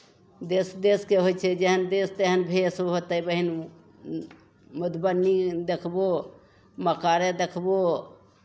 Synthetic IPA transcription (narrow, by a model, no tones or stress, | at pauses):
d̪esd̪eskeɦot͡ʃʰɛd͡ʒeɦənd̪eːst̪eɦənbʱesoɦot̪əibəɦin | mʊd̪bənːid̪ekʰbo | məkaɾed̪ekʰbo